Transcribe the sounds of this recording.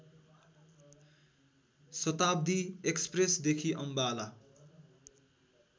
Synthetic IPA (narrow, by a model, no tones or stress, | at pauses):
sʌt̪ab̚d̪iekspresd̪ekʰiʔʌmbala